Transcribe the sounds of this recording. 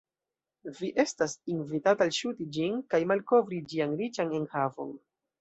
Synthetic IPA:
viʔe̞stasinvitataːlʃutid͡ʒinkajmalko̞vɾid͡ʒianɾit͡ʃane̞nhavo̞̰n

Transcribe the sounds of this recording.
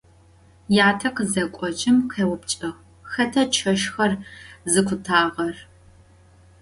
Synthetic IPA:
jaːtʰɐqəzɐkʷʼɔt͡ʃʼɪmqʰeːwʊpt͡ʃʼɐʁ | xɐtʰɐt͡ʃʰɐʃxɐrzɨkʷʰʊtʰaːʁɐr

